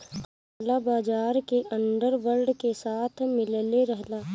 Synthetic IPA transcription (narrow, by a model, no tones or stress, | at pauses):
labaːd͡ʒaːɾkeʔɐ̃nɖəɾʋəɾɖkesaːt̪ʰmɪlleɾəɦlaː